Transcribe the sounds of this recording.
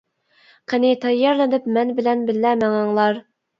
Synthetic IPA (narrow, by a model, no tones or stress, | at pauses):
qʰənɪt̪ʰɛjːɑɾlɪnɪpmɛnbɪlɛnbɪlːæmæŋɑŋlˠɑɾ